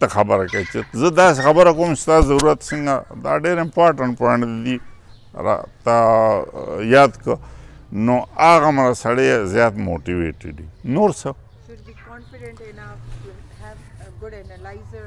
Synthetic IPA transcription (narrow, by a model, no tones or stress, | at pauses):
t̪axɐbəɾakat͡ʃezəd̪aːsexɐbəɾakoːmst̪aːzɐɾuɾat̪siŋɡad̪a̰ːɖeːɾɪmpaːɾʈɐɳʈpaɳd̪d̪i | ɾa̰t̪a | jaːd̪kənoaːɣamɾasɐɽezjaːt̪moːʈiʋḛːʈḭɖinoːɾsə